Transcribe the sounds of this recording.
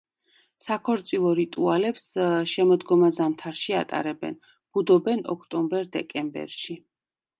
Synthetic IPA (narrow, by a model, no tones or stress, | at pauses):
sakʰɔɾt̪sʼilˠɔɾit̪ʼualɛpsʃɛmɔd̪ɡɔmazamt̪ʰaɾʃia̰t̪ʼa̰ɾɛbɛ̰n | b̥ud̪ɔbɛnɔ̰kʰt̪ʼɔmbɛɾd̪ɛkʼɛmbɛ̰ɾʃi